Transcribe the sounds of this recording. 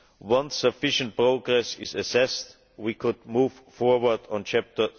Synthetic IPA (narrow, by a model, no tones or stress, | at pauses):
wʌ̃nsəfɪʃə̃nt̚pɹoʊɡɹɛsɪ̰zɨsɛst | wikʰʊdmuːv̥ | fɔɹwə˞dɔ̃nt͡ʃʰæp̚tə˞